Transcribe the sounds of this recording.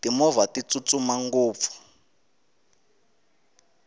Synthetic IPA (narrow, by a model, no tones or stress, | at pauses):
timɔvatit͡sʼut͡sʼumaŋɡoːp̪fu̥